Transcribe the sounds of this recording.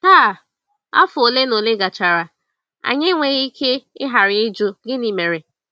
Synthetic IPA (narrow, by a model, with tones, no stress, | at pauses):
a˦˨ | a̰˦fʊ˨o˨le˦no˨le˦ɡa˨t͡ʃa˨ɾa˨ | a̰˨ɲɪ˦ŋʷe˨ɣi˦kʰe˦ɪ̰˦ɦa˨ɾɪ˨ɪ˦d͡ʒo˦ɡɪ˦ni˨me˨ɾe˨